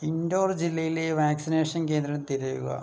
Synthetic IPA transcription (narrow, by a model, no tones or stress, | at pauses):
indoːrd͡ʑilːɐjileʋaːksineːʂɐnke̞ːnd̪ɾɐɐt̪iɾijuɣɐ̰